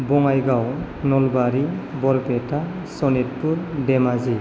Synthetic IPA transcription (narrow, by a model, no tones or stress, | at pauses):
bɔŋajɡaw | nɔlbaɾibɔɾpɛta | sɔnet̚puɾdɛmazi